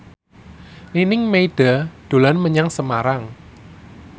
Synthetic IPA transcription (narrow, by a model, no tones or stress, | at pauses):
linɪŋmeiɖ̥a̤d̪̥o̤lanməɲaŋsəmaɾaŋ